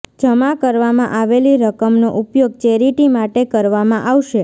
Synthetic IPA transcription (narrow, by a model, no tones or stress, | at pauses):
d͡ʒəmakəɾʋamãʔaʋeliɾəkəmnoʔupjoɡ̚t͡ʃeɾiʈimaʈekəɾʋamãʔaʋʃe